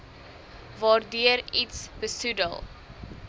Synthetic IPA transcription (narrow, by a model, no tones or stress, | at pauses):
vɑːrdyəɾitsb̥əsudə̰lˠ